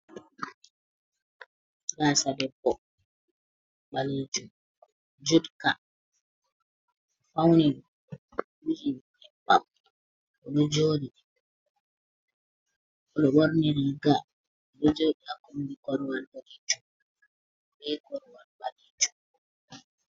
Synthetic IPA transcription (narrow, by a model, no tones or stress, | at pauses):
ɡasadɛbɔ | ɓalid͡ʒum | d͡ʒudka | fawni | wud͡ʒi | ɛpːa̰m | ɔɗɔd͡ʒoɗi | ɔɗɔɓɔɾneɾiɡa | ɔɗɔd͡ʒoɗiakɔmdikɔɾwalɓɔlid͡ʒum | ɓɛkɔɾwalɓaliːd͡ʒum